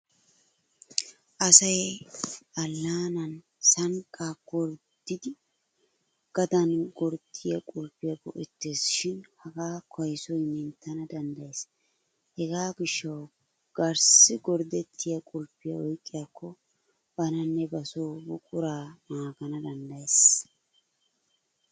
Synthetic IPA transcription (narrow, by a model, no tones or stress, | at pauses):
ʔɐsɐj | ʔɐlːaːnɐn | sɐŋkʼaːɡɔɾ | d̪̥ɪd̪ɪ | ɡ̥ɐd̪ɐnɡɔɾd̪ɪjɐkʼʊlpːɪjɐbɔʔɛt̪ːe̞ːsʃɪnhɐɡaːkʰɔjsɔjmɪnt̪ːɐnɐd̪ɐnd̪ɐjeːs | hɛɡaːɡɪʃːɐw | ɡ̥ɐɾsɪɡɔɾd̪ɛt̪ʰːɪjɐkʼʊlpːɪjɐ̰ɔjkʼːɪjakʰːɔ | bɐnɐnːɛbɐsoːbʊkʼʊɾaːnaːɡɐnɐd̪ɐnd̪ɐjes